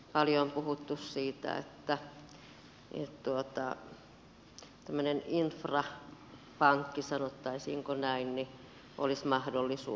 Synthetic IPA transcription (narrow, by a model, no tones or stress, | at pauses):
pɑljompuhut̪ːussiːt̪æ̰ḛt̪ːæ | ḛt̪t̪uot̪ɑ̰ | t̪æmːøneninfrɑ | pɑŋkːisɑnot̪ːɑisḭːŋkonæinni | ʔo̰lismɑhdolːisṵː